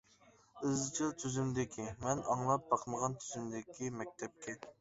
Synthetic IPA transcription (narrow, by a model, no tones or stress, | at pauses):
ɨzt͡ʃʰɨlˠt̪ʰyzymd̪ɪkʲʰimɛnɑŋlˠɑp̚bɑqʰməʁɑnt̪ʰyzymd̪ɪkʲimɛk̚ʲt̪ʰɛp̚kʲʰɛ